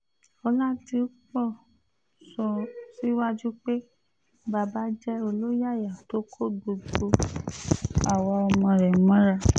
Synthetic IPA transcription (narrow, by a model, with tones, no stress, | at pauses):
ɔ˧la˦ti˧o˦k͡pɔ˦˨ | sɔ˧si˦wa˦d͡ʒu˦k͡pe˦ | ba˧˨ba˨˦d͡ʒɛ˦o˧lo˦ja˦˨ja˨to˦kʰo˦˨ɡ͡bo˧ɡ͡bo˧ | a˨wɔ˧ɔ˧mɔ̃˧ɾɛ˨mɔ̃˦ɾa˧